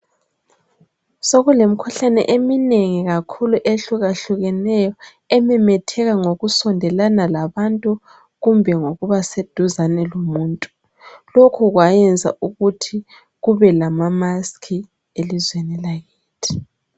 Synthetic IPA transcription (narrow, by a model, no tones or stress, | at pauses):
soɣulemikʰuɬanɛ̰ʔemineŋiɣakʰuluʔeɬuɣaɬuɣɛnɛjɔ | ɛmɛmɛtʰɛɣaŋoɣusɔndʱɛlanalaβantʼu | ɣumbʱɛŋoɣuβased̥ʱuzanɛlomuːntʼu | lokʰuɣwajɛnd͡zʱa̰ʔuɣutʰi | ɣuβɛlamamaskʰi | elizwenilaɣiːtʰi̥